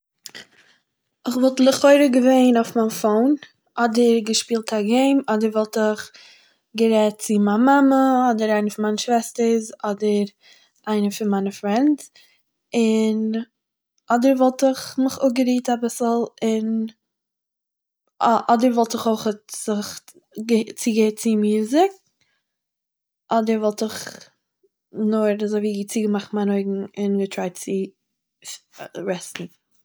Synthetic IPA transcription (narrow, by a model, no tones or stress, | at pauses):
ɪχvɔlˠtlˠɪχɔɪɾəɡəveɪnaʊfmanfoʊn | ʔɔdəɾɡəʃpiːlˠtaɡeɪmɔdəɾvɔlˠtɪχ | ɡəɾɛt̚t͡sɪmaːmaməɔdəɾaɪnəfɪnmaɪnəʃvɛstəɾzɔdəɾ | ʔaɪnəfɪnmaɪnəfɾɛnt | ɪn | ʔɔdəɾvɔlˠtɪχmɪχʊɡəɾiːtabɪsl̩ˠɪn | ʔɔdəɾvɔlˠtɪχoɪχətz̥ɪχ | ɡət͡siɡət͡sɪmjuːzɪk̚ | ʔɔdəɾvɔlˠtɪχ | nʊɾazoɪviːɡət͡siːɡəmaχtmaɪnoɪɡŋ̩ɪnɡətʰɾaɪt͡sɪ | ɾɛstn̩